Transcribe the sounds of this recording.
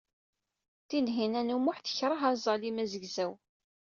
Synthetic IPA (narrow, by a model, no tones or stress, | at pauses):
θinɦinænumʊħθə̥çɾˤɑɦɑzˤɑlimæzəɡzæw